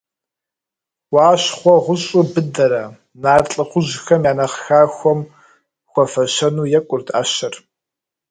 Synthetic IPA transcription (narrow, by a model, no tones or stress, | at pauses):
waːɕχʷɔʁʷʊɕʼʊbɨdɐɾɐ | naːrt͡ɬʼɨχʷʊʑxɐmjaːnɐχxaːxʷɔm | xʷɔfɐʃɐnuːjɛkʷʼʊrtʰa̰ːɕɐr